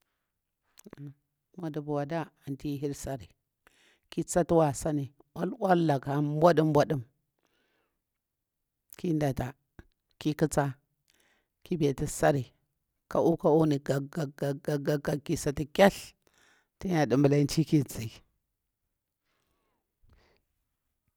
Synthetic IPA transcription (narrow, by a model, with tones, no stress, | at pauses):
ma˨du˨bu˨wa˨da˦a˨nti˦ɦi˦ɾsa˦ɾi˨ | ki˦t͡sa˦tu˦wa˨sa˦ni˨ | wa˦lwa˦lla˨ka˨˦bʷa˦du˦mbʷa˦ɗu˦m | kʰi˦nda˨ta˨ | ki˦kə˦t͡sa˦ | ki˦be˨ti˦sa˦ɾi˨ | ka˨u˦ka˦u˦ni˨ɡa˨ɡa˨ɡa˨ɡa˨ɡa˨ɡa˨ki˨sa˨ti˨kʲa˦ɬ | ti˦ɲa˨di˨mbə˨la˦i˦nt͡ʃi˦ki˦t͡si˨